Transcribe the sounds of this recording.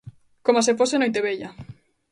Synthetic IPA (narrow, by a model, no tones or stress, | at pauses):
komas̬eposenojt̪eβeʎa